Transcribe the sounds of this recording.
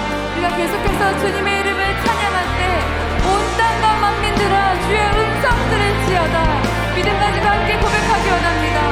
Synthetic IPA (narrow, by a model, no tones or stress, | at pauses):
uɾiɡake̞sʰokʰe̞sʰʌt͡ɕuɲime̞iɾɯmɯɭt͡ɕʰaɲaŋɦaɭt͈e̞ | mont͈anɡamaŋmindɯɾat͡ɕue̞ɯns͈ʰʌŋdɯɾɯɭt͡ɕiada | midɯmk͈ad͡ʑidohamk͈e̞kobe̞kʰaɡiʌnamɲida